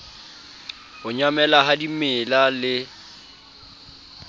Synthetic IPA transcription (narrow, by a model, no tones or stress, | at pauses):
hʊɲamɛlaɦadimɪlalɪ